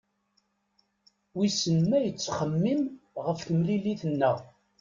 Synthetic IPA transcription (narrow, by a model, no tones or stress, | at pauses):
wisənmæjət͡sːχəmːimʁəfkəmliliθənːə